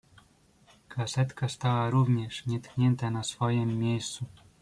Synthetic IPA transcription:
kʰasɛt̪kast̪awaɾuvɲɛʂɲɛt̪kɲɛnt̪anasfɔjɛmːʲejst̪su

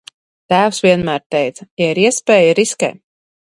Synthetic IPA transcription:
t̪æːwsvʲiɛnmæːɾt̪ɛjt̪sɐjaiɾiɛspɛːjaɾiskɛ̰ː

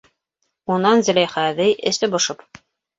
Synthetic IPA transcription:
unɑnzɘ̆læjχæðɘjʔɘ̆st̪ɘbŏʃɤp

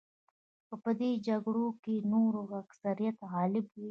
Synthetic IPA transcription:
pəpəd̪ed͡ʒɐɡɽokenoɾoɡaksɐɾijɐt̪ɦɑːlɪbi

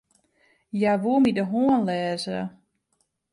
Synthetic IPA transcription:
jaʋuəmidəɦoənlɛːzə

